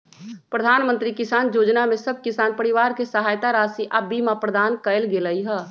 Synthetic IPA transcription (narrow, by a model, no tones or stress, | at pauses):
pɾəd̪ʱaːnmə̃nt̪ɾikɪsaːnjoːd͡ʒnamẽsəb̚ʱkɪsaːnpəɾiʋaːɾkesəɦaːjt̪aɾaːsiʔəbimãpɾəd̪aːnkəɪlɡeləiɦɛː